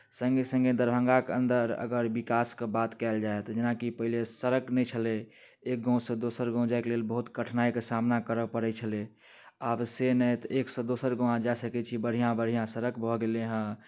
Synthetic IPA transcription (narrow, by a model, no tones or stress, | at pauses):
səŋɡesə̃ŋɡed̪əɾbʱə̃ŋɡakeə̰nd̪əɾə̰ɡəɾbikaskebat̪kɛld͡ʒaet̪d͡ʒenakipəɦilesəɾəknɛjt͡ʃʰəle | ek̚ɡɔ̃sə̃d̪osəɾɡɔ̃ʊ̃d͡ʒaeklelbəɦut̪kəʈʰnaikesamnakəɾəpəɾɛt͡ʃʰəle | absenɛjt̪ɔʔeksə̃d̪osəɾɡõãd͡ʒasəkɛt͡ʃʰibəɽ̤ijãbəɽ̤ijãsəɾəkbʱɔɡeleɦə̃